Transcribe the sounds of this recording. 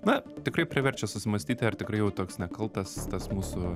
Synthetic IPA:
nɐt̪ʲɪkrɐɪpʲɾʲɪʋʲɛrʲt͡ʃʲɛsʊsʲɪmɐsʲt̪ʲiːt̪ʲɪɐrt̪ʲɪkɾɐɪjɛʊt̪oːksnʲɛkɐlˠt̪ɐst̪ɐsmuːsʊ

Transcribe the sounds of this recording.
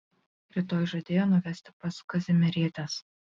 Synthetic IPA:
ɾʲɪt̪oːjʒɐd̪ʲeːjoːnʊʋʲɛsʲt̪ʲɪpɐskɐzʲɪmʲɛɾʲiːt̪ʲɛs

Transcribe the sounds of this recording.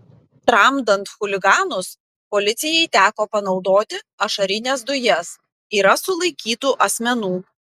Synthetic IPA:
t̪ɾɐmd̪ɐnt̪xʊlʲɪɡɑːnʊs | pɔlʲɪt̪sʲɪjɛɪt̪ʲæːkoːpɐnɒʊd̪oːt̪ʲɪ | ɐʃɐɾʲɪnʲes̬d̪ʊjɛs | iːɾɐsʊlˠɐɪkʲiːt̪uːʔɐsʲmʲɛnuː

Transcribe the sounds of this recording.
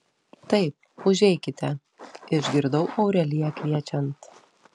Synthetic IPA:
t̪ɐɪp̚ʊʒʲɛɪkʲɪt̪ʲɛ | ɪʒʲɡʲɪɾd̪ɐʊʔɒʊɾʲɛlʲɪjɛkʋʲiɛt͡ʃʲɛnt̪

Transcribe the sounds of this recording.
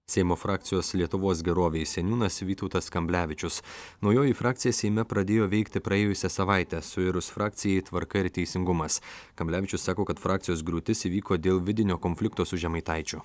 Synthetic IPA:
sʲɛɪmoːfɾɑːkʲt̪sʲɪjoːslʲiɛt̪ʊʋoːs̬ɡʲɛɾoːʋʲeɪsʲɛnʲuːnɐsʋʲiːt̪ɔʊt̪ɐskɐmʲbʲlʲæːʋʲɪt͡ʃʲʊsnɒʊjoːjiˑfɾɑːk̚t̪ʲɪjɛsʲɛɪmʲɛpɾɐd̪ʲeːjoːʋʲɛɪkt̪ʲɪpɾɐeːjʊsʲɛsɐʋɑˑɪt̪ʲɛsʊɪɾʊsfɾɑːk̚t̪sʲɪjɛɪt̪ʋɐɾkɐɪɾt̪ʲɛɪsʲɪŋɡʊmɐskɐmʲblʲæːʋʲɪt͡ʃʲʊsːɑːkoːkɐt̪fɾʔɑːk̚t̪ʲɪjoːsɡɾuːt̪ʲɪsiʋʲiːkoːd̪ʲeːlˠʋʲɪd̪ʲɪnʲoːkɔnʲfʲlʲɪk̚t̪oːsʊʒʲɛmɐɪt̪ɐɪt͡ʃʲʊ

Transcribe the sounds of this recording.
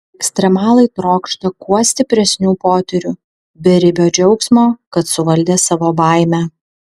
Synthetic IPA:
ɛksʲt̪ʲɾʲɛmɑːlˠɐɪt̪ɾoːkʃt̪ɐkuɔsʲt̪ʲɪpʲɾʲɛsʲnʲuːpoːt̪ʲɛɾʲʊ | bʲɛɾʲɪbʲoːd͡ʒʲɛʊksmoːkɐt̪sʊʋɐlʲd̪ʲeːsɑʋoːbɑˑɪmʲæː

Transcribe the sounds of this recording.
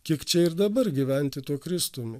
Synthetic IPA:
kʲiɛkt͡ʃʲɛɪɾd̪ɐbɐɾɡʲɪʋʲɛnʲt̪ʲɪt̪uɔkɾʲɪst̪uːmʲɪ

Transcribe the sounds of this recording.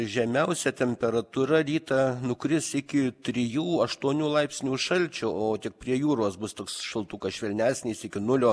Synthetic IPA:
ʒʲɛmʲɛʊsʲɛt̪ʲɛmʲpʲɛɾɐt̪uːɾɐɾʲiːt̪ɐnʊkɾʲɪsɪkʲɪt̪ʲɾʲɪjuːɐʃt̪uɔnʲuːlˠɐɪpʲsʲnʲuːʃɐlʲt͡ʃʲʊoːt̪ʲɪk̚pʲɾʲiɛjuːɾuɔsbʊst̪oːksʃɐlˠt̪uːkɐʃʲʋʲɛlʲnʲæːsʲnʲiːsɪkʲɪnʊlʲoː

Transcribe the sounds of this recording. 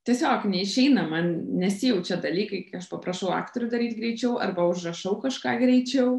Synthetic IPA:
t̪ʲiɛsʲoːknʲɛɪʃʲɛɪnɐmɐnnʲɛsʲɪjɛʊt͡ʃʲɛd̪ɐlʲiːkɐɪkɐʃpɐpɾɐʃɐʊɑ̰ːkt̪oɾʲʊd̪ɐɾʲiːt̪ɡɾʲɛɪt͡ʃʲɛʊʔɐ̰rbɐʊʒrɐʃɐʊkɐʃkɑːɡɾʲɛɪt͡ʃʲɛʊ

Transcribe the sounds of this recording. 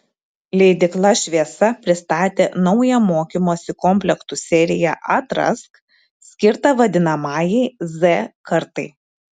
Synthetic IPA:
lʲɛɪd̪ʲɪklˠɐʃʲʋʲiɛsɐpʲɾʲɪst̪ɑːt̪ʲeːnɒʊjɛmoːkʲimoːsʲɪkɔmʲpʲlʲɛksʊsʲɛɾʲɪjɛ̰ʔɐt̪ɾɐ̰sk | sʲkʲɪɾt̪ɐʋɐd̪ʲɪnɐmɑːjɛɪzɛkɐɾt̪ɐɪ

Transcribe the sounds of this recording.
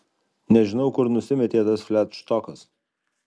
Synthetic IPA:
nʲɛʒʲɪnɐʊkʊɾnʊsʲɪmʲɛt̪ʲeːt̪ɐsfʲlʲæt̪ʃt̪ɔkɐs

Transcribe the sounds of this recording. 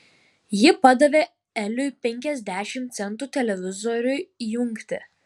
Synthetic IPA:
jɪpɐd̪ɐʋʲeː | ɛlʲʊɪpʲɛŋʲkʲɛzʲd̪ʲæːʃʲɪmt̪sʲɛnˑt̪uːt̪ʲɛlʲɛʋʲɪzɔɾʲʊjʊŋʲkt̪ʲɪ̰

